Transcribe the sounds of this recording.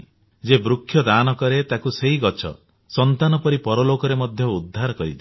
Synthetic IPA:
d͡ʒebɾukʰːjɔd̪anɔkɔɾet̪akuseɦiɡɔt͡ʃʰɔ̰ | sɔnt̪anɔpɔɾipɔɾɔlokɔɾemɔd̪ʱjɔud̪ʱːaɾɔkɔɾid̪i

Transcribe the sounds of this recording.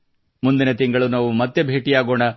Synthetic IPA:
mund̪inet̪iŋɡɐɭunaːʋumɐt̪ːebʱe̞ːʈijaːɡoːɳɐ

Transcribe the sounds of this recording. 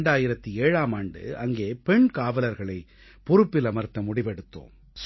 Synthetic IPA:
ɳɖaːjɪɾɐt̪ːieːɻaːmaːɳɖɯ̰ɐŋɡeːpɛɳkaːʋɐlɐɾɣɐɭɐɪ | pʊɾɯpːɪlɐmɐɾt̪ːɐmʊɽɪʋɛɽɯt̪ːo̰ːm | s

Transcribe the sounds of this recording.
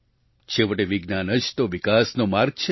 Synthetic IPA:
t͡ʃʰeʋəʈeʋiɡnanət͡ʃt̪oʋikasnomaɾɡ̚t͡ʃʰe

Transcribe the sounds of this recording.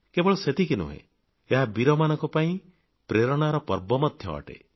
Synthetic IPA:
kebɔɭɔset̪ikinṵɦḛ̃ | eɦabiɾɔmanɔ̃ŋkɔpaĩ | pɾeɾɔɽ̃aɾɔpɔɾbɔmɔd̪ʱjɔɔ̰ʈḛ

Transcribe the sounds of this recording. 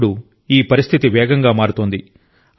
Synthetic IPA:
ɽu | iːpɐɾist̪ʰit̪iʋɛːɡɐŋɡaːmaːɽut̪oːnd̪i

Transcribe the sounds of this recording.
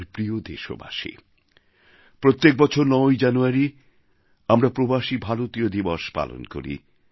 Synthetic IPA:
ɾpɾiod̪eʃo̰ba̰ʃḭ | pɾot̪ːek̚bɔt͡ɕʰoɾnɔjd͡ʑanuaɾi | amɾapɾobaʃibʱaɾot̪iod̪ibɔʃpa̰lo̰nko̰ɾḭ

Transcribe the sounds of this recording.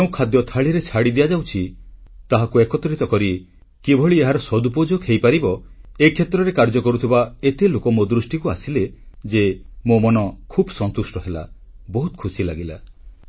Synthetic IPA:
eũkʰad̪jɔt̪ʰaɭiɾet͡ʃʰaɽid̪ijad͡ʒawt͡ʃʰit̪aɦakuekɔt̪ɾit̪ɔkɔɾi | kibʱɔɭieɦaɾɔsɔd̪up̬od͡ʒokʰejpaɾibɔekʰjet̪ɾɔɾekaɾd͡ʒɔkɔɾut̪ʰibaet̪elokɔmod̪ɾusʈikuasiled͡ʒemomɔnɔkʰubsɔnt̪usʈɔɦela̰ | bɔɦut̪ɔ̥kʰusilaɡila

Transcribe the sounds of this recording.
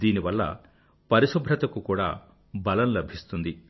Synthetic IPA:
d̪iːniʋɐlːɐ̰ | pɐɾiʃubʱɾɐt̪ɐkukuːɽa̰ː | bɐlɐmlɐbʱist̪und̪i

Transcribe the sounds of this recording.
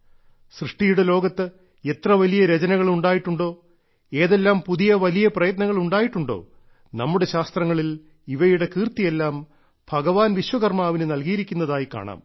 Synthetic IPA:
srɨʂʈijuɽelo̞ːɡɐt̪ːɨ | e̞t̪rɐʋɐlijɐɾed͡ʑɐnɐɣɐɭuɳɖaːjiʈːuɳɖo̞ː | e̞ːðe̞lːaːmpuðijɐʋɐlijɐprɐjɐt̪̬nɐŋːɐɭuɳɖaːjiʈːuɳɖo̞̰ː | nɐmːuɽe̞ɕaːst̪rɐŋːɐɭil | iʋɐjuɽe̞kiːrt̪ijelːaːm | b̥ʱɐɡɐʋaːnʋiɕwɐɣɐrmaːʋinɨnɐlɡijiɾikʲːunːɐðaːjika̰ːɳa̰ːm

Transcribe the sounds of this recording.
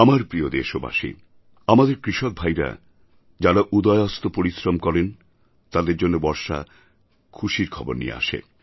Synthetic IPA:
amaɾpɾiod̪eʃoba̰ʃḭ | amad̪eɾkɾiʃɔk̚bʱajɾa̰ | d͡ʑaɾaʔud̪ɔeɔst̪opoɾisɾomkɔɾen | t̪ad̪eɾd͡ʑonːobɔɾʃa̰ | kʰuʃiɾkʰɔbo̰ɾnijḛa̰ʃḛ

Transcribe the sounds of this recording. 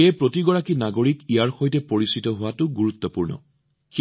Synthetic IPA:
eɛpɹotiɡɔɹakinaɡoɹikijaɹxojtɛpoɹisitɔɦʊwatʊɡuɹut̪ːɔpuɹnɔ̰ | x

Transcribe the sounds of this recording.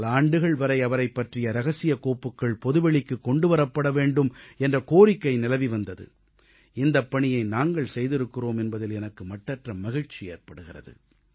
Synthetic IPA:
laːɳɖɯɣɐɭʋɐɾɐɪɐʋɐɾɐɪpːɐʈrɪjɐɾɐɣɐsɪjɐkoːpːɯkːɐɭpɔðɯʋɛɭɪkːɯkːɔɳɖɯʋɐɾɐpːɐɽɐʋeːɳɖɯmɛndrɐkoːɾɪkːɐɪnɪlɐʋiʋɐnd̪ɐðɯ̰ | ɪnd̪ɐpːɐɳɪjɐɪnaːŋɡɐɭsɛjðɪɾɯkːɪroːmɛnbɐðɪlɛnɐkːɯmɐʈːɐʈrɐmɐɣɪɻt͡ʃijeːrpɐɽɯɣɪrɐ̰ðɯ̰

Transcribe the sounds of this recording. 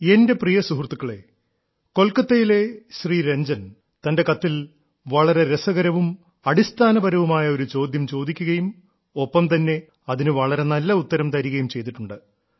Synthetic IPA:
e̞nde̞prijɐsuɦrt̪ːukːɐɭe̞̰ | ko̞lkːɐt̪ːɐjile̞ɕriːɾe̞ɲd͡ʑɐn | t̪ɐnde̞kɐt̪ːil | ʋɐɭɐɾe̞ɾesɐɣɐɾɐʋum | ɐɽist̪ʰaːnɐbɐɾɐʋumaːjɐo̞ɾut͡ɕo̞ːd̪jɐmt͡ɕo̞ːd̪ikʲːuɣɐjum | o̞pːɐmt̪ɐnːe̞ | ɐðinɨʋɐɭɐɾe̞nɐlːɐut̪ːɐɾɐmt̪ɐɾiɣɐjumt͡ɕe̞jt̪̬iʈːuɳɖɨ

